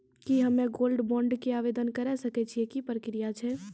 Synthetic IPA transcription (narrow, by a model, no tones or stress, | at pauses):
kiɦəmẽɡoːlɖbɔ̃ːɳɖkeaːʋeːd̪ənkəɾɛsəkɛt͡ʃʰiekipɾəkɾijat͡ʃʰɛ